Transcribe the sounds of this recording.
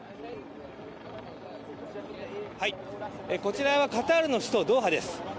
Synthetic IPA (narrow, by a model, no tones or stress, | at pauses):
haieko̞t͡ɕiɾaβakat̪aɾɯ̟no̞ɕi̥t̪o̞d̪o̞ːɦad̪e̞sɨ̥